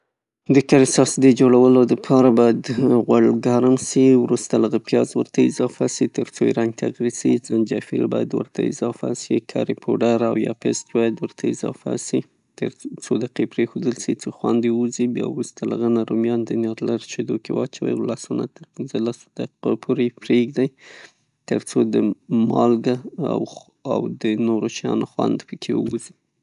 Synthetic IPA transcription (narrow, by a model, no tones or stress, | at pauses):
d̪əkaɾɪsɑsd̪əd͡ʒoɽawəlod̪əpʰɑɾabɑjad̪ɣwalɡaɾamsiwɾust̪alaɣapjɑzwəɾt̪aɪzɑfasit̪əɾt͡sojḭɾaŋɡ̚t̪ʰaɣɾisizand͡ʒafḭlbɑ̰jad̪wə̰ɾt̪ʰa̰ɪ̰zɑfa̰sikʰa̰ɾipʰoɖaɾawjɑ̰pest̪bɑjad̪wəɾt̪ʰaɪzɑ̰fa̰si | t̪əɾt͡sod̪aqepɾexod̪əlsit͡soxwand̪euzibjɑɾust̪alaɣanaɾumjɑnd̪ənjɑɾlaɾt͡ʃed̪okewɑt͡ʃawə̰jlɑsunat̪əɾpinzəlaso̥d̪̥aopʰoɾepɾeɡd̪aj | t̪əɾt͡sod̪əmɑlɡaa̰w | a̰wd̪ənoɾot͡ʃjɑnoxwand̪pəkʰeəwuzi